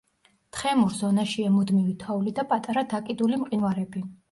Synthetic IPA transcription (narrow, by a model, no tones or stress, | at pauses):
t̪ʰχɛmuɾzɔnaʃiɛmud̪mivit̪ʰaulid̪apʼat̪ʼaɾad̪akʼid̪ulimqʼinwaɾɛbi